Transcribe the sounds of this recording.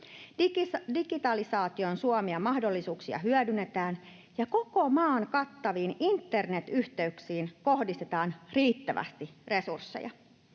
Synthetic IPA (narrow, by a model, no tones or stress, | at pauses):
diɡ̥it̪ɑlisɑːt̪io̞nsuomiɑmɑhdo̞lːisuːksiɑ̰ɦyœdynet̪æːn | jɑko̞ko̞mɑːŋkɑt̪ːɑʋiːnint̪ːe̞rne̞t̪yht̪e̞yksiːnko̞hdist̪e̞t̪ɑːnriːt̪ːæʋæ̰st̪ire̞sursːḛjɑ̰